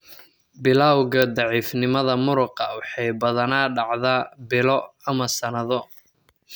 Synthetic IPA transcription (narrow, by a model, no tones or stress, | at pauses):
bɪlawɣɐd̪ɑʕiːfnɪmɐðɐmʊɾʊqɑwɑħɑjbɐðɐnaːɖɑʕðaːbɪlɔɐmɐsɐnɐðɔ